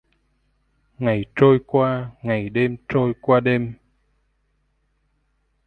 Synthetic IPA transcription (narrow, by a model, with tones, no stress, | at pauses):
ŋa˨˩jt͡ɕo˧jkwaː˧ŋa˨˩jɗe˧mt͡ɕo˧jkwaː˧ɗe˧m